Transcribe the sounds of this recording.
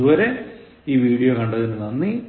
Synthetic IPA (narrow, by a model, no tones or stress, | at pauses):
uʋɐɾe̞ | iːʋiːɽijokɐɳɖɐðinːɨnɐnːi